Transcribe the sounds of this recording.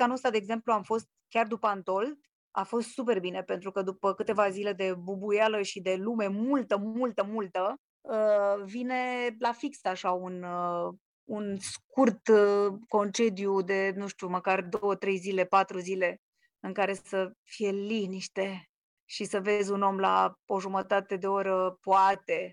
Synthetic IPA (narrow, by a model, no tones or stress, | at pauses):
kanost̪ad̪eːɡze̞mpluamfo̞st̪̚kʲard̪upəant̪o̞ld̪ | a̰fo̞st̪supe̞rbine̞pe̞nt̪ɾukəd̪upəkɨt̪e̞vazile̞d̪e̞bubujaləʃid̪e̞lume̞mult̪əmult̪əmult̪ə | əvine̞lafiksaʃaun | unskurt̪ko̞nt͡ʃe̞d̪jud̪e̞nuʃt̪juməkard̪owət̪ɾe̞jzile̞pat̪ɾuzile̞ | ɨŋkaɾe̞səfije̞liniʃt̪e̞ | ʃisəve̞zʲuno̞mlao̞ʒumət̪at̪e̞d̪e̞o̞ɾəpoat̪e̞